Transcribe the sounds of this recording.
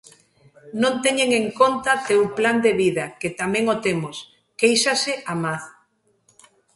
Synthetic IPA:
nõnt̪eɲeŋeŋkont̪at̪ewpland̪eβiðɐket̪amɛ̃ŋot̪emos | kejsasɪʔamaθ

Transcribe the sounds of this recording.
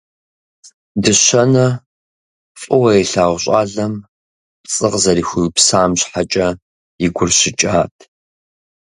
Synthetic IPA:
dɨɕɐnɐ | fʼɨwɐɛɬaːʁʷɕʼaːɮɐm | pt͡sʼɨqzɐɾiːxʷʊpsaːmɕħat͡ʃʼɐ | jɪɡʷʊrɕɪt͡ʃʼaːtʰ

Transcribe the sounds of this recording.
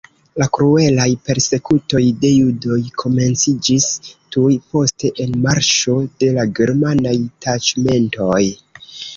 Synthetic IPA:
lakɾue̞lajpe̞ɾse̞kuto̞jde̞judo̞jkʰo̞me̞nt͡sid͡ʒistujpo̞ste̞ʔenmaɾʃo̞de̞laɡe̞ɾmanajtat͡ʃme̞nto̞j

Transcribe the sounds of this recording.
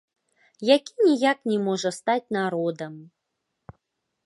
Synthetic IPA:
jakʲinʲijaknʲɛmɔʐɐst̪at͡sʲnaɾɔd̪əm

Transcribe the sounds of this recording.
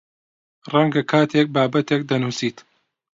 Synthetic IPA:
rɐŋɡɐkʰaːt̪ʰek̚baːbɐt̪ek̚d̪ɐnuːsiːt̪

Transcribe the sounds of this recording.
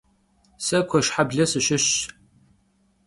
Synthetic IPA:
sɐkʷʰɔʃħabɮɐsɨʃɪɕ

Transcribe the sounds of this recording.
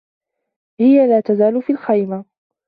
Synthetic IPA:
hɪjalaːt̪azaːlʊfiːlxajma

